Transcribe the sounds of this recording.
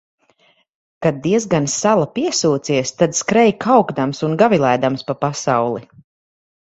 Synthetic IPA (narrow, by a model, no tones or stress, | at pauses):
kad̪̚d̪ːiɛzɡansalˠapiɛsuːt̪siɛst̪ad̪skɾɛjkʰawɡd̪amsunɡavilˠæjd̪amspapasawlˠi